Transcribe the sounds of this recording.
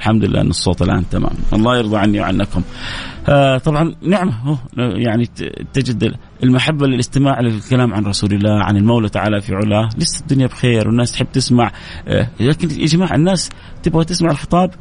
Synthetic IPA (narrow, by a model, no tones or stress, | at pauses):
lħamd̪ʊlɪlːʔa̰ʔnːɨsˤːoːt̪ˤɪlʔa̰ːnt̪ama̰ːma̰nwʔɑlˤːɑːjɪɾðˤɑʕanːiwʕa̰nːakʊm | t̪ˤɑbʕɑnnɪʕmahuːjaʕnit̪ɪd͡ʒɪd̪ | ɪlmaħabːalɪlʔɪst̪ɪmaːʕlɪlkalaːmʕanɾˤɑsuːlɪlːaːʕa̰nɪlmawlat̪aʕaːlafiʕʊlaːlɪsːɪd̪ːʊnjabxeːɾwɪnːaːst̪ħɪbːt̪ɪsmaʕ | laːkɪnʔɪ̰d͡ʒmaːʕɪ̰nːaːs | t̪ɪbɣat̪ɪsmaʕɪlxɨt̪ˤɑːb